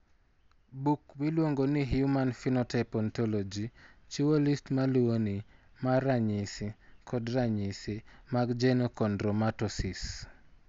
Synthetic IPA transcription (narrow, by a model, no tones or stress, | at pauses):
bukmilwoŋɡoniɦiumanfinɔtɛpɔntɔlɔd͡ʒit͡ʃuwolistmaluonimaɾaɲisikʰɔdɾaɲisimaɡd͡ʒɛnokɔndɾɔmatɔsis